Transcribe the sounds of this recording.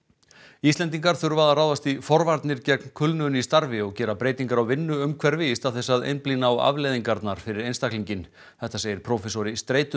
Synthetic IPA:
ist̪ɛnt̪iŋkaɾ̥θʏɾʏvaːðaraːwðast̪ifɔɾvaɾt̪nɪɾcɛknkʰʏlnʏʏnist̪aɾvɪɔɣcɛːɾapɾeːjt̪iŋkaɾawvɪnːʏʏmkʰvɛɾvɪst̪aðθɛsːaðḛjnpliːnaːwa̰vleːjðiŋkaɾt̪naɾ̥fɪɾɪɾejnst̪akliɲcɪn | θɛht̪aseːjɪɾpʰɾoːfɛsoɾɪst̪ɾeːjt̪ʏ

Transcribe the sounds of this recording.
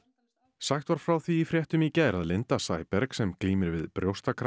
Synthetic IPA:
saxt̪vaɾ̥fɾawθviːfɾjɛht̪ʏmicaɾaðlent̪asajpɛɾksɛmkliːmɪɾvɪðpɾjowst̪akʰɾ

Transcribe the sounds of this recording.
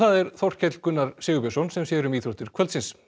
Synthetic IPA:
θaðɛɾθɔr̥cʰɛt̪l̥kʏnːaɾsɪːɣʏpɛsɔnsɛmsjɛɾʏmiːθɾɔht̪ɪɾ̥kʰvœlt̪sɪns

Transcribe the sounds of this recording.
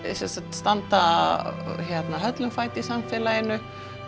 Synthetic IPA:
sɛnsat̪st̪ant̪a | çɛt̪naɦœt̪lʏmfaːjt̪ɪisamfɛːlaɪnːʏ

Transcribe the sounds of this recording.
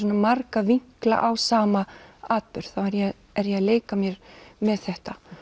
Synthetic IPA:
sɔnamarkaviŋ̥kla̰ʔawsaːmaaːt̪̚pʏɾ̥θawɛɾjɛ | ɛɾjɛaleːjkamjɛɾmɛðθɛht̪a

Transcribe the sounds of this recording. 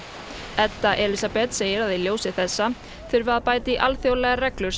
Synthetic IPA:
ɛt̪ːaʔɛlisapɛt̪seːjɪɾaðiljoːwsɪθɛsːa | θʏɾvaaðpaːjt̪ɪʔalθjowlɛɣarɛklʏɾ̥

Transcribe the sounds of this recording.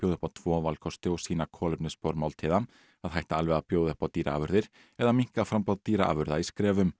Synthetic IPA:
pjowðɛhpat̪ʰvɔːvalkʰɔst̪ɪɔɣsiːnakʰɔːlʏpnʏspɔɾmawlt̪ʰiːða | aðhajht̪aalvɛɣapjoːwðʏhpat̪iːɾʔa̰a̰ːvʏɾðɪɾ̥ | ɛðamiŋ̥kaðfɾampawðt̪iːɾaʔa̰ːvʏɾðaiskɾɛːvʏm

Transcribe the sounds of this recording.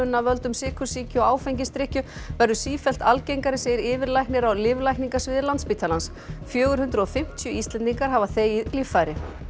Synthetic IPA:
ʏnːavœlt̪ʏmsɪːkʰʏ̥siːcʏɔaːwfɛjɲcɪst̪ɾɪhcʏvɛɾðʏsiːfɛl̥t̪alcejŋkaɾɪseːjɪɾɪːvɪɾlajknɪɾawlɪːvlajkniŋkasvɪːðɪɾlant̪spiːt̪ʰalans | fjœːɣʏɾhʏnt̪ɾʏɔfɪm̥t̪ʰjʏist̪lɛnt̪iŋkaɾ̥ɦaːvaθejilifːajɾɪ

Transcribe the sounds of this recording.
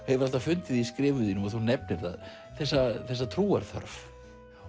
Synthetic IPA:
hɛvʏɾaht̪afʏnt̪ɪðiskɾɪːvʏðinʏmaθuwnɛpnɪɾ̥θa̰ð | θɛsːaθɛsːat̪ʰɾuːaɾ̥θœ̰ɾf

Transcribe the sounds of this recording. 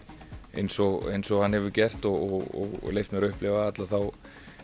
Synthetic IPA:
ḛjnsɔɣḛjnsɔɣhanhɛvʏcɛr̥t̪ɔɣɔɔ̰ɣlejft̪mɛɾʏhplɪvaat̪laθaw

